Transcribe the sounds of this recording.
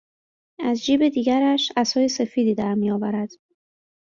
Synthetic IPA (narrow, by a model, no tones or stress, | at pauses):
æzd͡ʒiːbe̞d̪iːɟæɾæʃæsɒːjese̞fiːd̪iːd̪æɾmijɒːvæɾæd̪̥